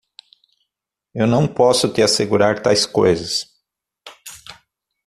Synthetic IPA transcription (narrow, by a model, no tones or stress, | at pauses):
ewnɐ̃w̃pɔsʊt̪ɪaseɡuɾaɾt̪ajskojzɐs